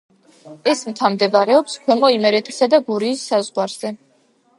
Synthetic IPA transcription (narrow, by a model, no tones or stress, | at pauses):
ɛsmt̪ʰamd̪ɛvɾɛɔpskʰwɛmɔimɛɾɛt̪ʰi̥sad̪aɡuɾiːsːazʁwaɾz̥ɛ